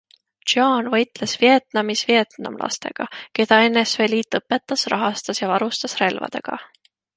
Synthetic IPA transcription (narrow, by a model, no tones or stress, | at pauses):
ʒ̥oːnvɤjt̪ˑle̞svie̞t̪nɑmisvie̞t̪nɑ̰mlʔɑ̰st̪e̞̰ɡ̥ɑke̞d̪̥ɑe̞nːe̞sveliːt̪ːˑɤpːˑe̞t̪ːˑɑsrɑɦɑst̪ɑsjɑvɑɾust̪ɑsre̞lvɑ̰d̪̥e̞̰ɡ̥ɑ̰